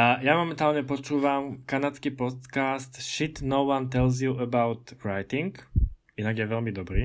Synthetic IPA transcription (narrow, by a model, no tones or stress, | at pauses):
jamɔmɛnt̪aːlɲɛpɔt͡ʃuːʋamkanat͡skiːpɔt̪kaːst̪ʃit̪nɔʊʋant̪ɛlz̬juʔəbaʊt̪ɾaɪt̪iŋk | inaɡjɛʋɛʎmid̪ɔbɾiː